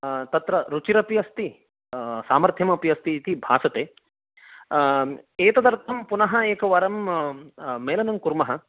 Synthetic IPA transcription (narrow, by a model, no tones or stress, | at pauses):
t̪ɐt̪ɾɐɾut͡ʃiɾɐpijɐst̪i | saːmɐɾt̪ʰjɐmɐpijɐst̪iːt̪ibʱaːsɐt̪eː | eːt̪ɐd̪ɐɾt̪ʰɐmpunɐɦɐeːkɐʋɐɾɐm | meːlɐnɐŋkuɾmɐɦɐ